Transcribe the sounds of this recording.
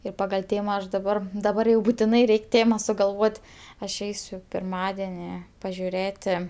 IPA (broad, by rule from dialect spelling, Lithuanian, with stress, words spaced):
ɪr ˈpɑːɡɐlʲ ˈtʲeːmɐ ˈɐʃ dɐˈbɐr dɐˈbɐr jɛʊ bʊtʲɪˈnɐɪ ˈrʲɛɪkʲ ˈtʲeːmɐ sʊɡɐlˠˈʋoːtʲ ɐʃ ˈɛɪsʲʊ pʲɪrˈmɑːdʲɛnʲɪ pɐʒʲʊˈrʲeːtʲɪ